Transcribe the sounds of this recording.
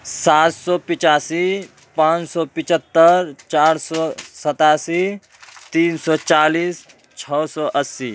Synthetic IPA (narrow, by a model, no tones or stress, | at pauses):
sat̪sɔːpit͡ʃaːsi | pãːt͡ʃsɔpit͡ʃət̪ːəɾt͡ʃaːɾsɔsət̪aːsi | t̪iːnsɔt͡ʃaːliːs | t͡ʃʰɔsɔʔəsi